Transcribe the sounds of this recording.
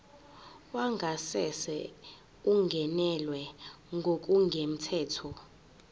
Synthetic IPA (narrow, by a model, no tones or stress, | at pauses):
waŋɡʱasɛsɛ̰ | uŋɡʱɛnɛlwɛ | ŋɡʱok̬ʼuŋɡʱem̩tʰɛːtʰɔ